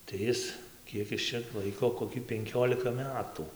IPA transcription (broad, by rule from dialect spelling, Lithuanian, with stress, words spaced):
tɐɪ ˈɪs ˈkʲiɛk ɪs t͡ʃʲɛ ˈlˠɐɪkoː koːˈkʲɪ pʲɛŋʲˈkʲoːlʲɪkɐ ˈmʲæːtʊ